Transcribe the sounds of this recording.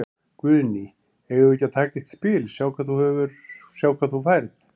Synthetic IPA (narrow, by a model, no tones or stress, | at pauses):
kvʏðni | ɛjʏɛcːat̪ʰaːcɪht̪spɪːlsjaːwkʰvaːðθuhɛvʏɾ̥sjawkʰvaðθufajɾθ